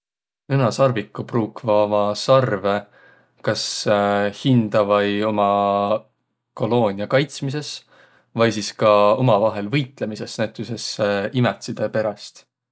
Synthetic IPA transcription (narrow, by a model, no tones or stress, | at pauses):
nɤnɑsɑrvikːˑupruːkvɑomɑsɑrve̞ | kɑs | hind̪̥ɑvɑjo̞mɑ | ko̞lo̞ːnʲiɑkɑjt̪smis̬e̞s | vɑjsiskɑo̞mɑvɑɦe̞lvɤjt̪ˑle̞mise̞snæt̪ːˑyse̞seimet̪sid̪̥epe̞ɾɑst̪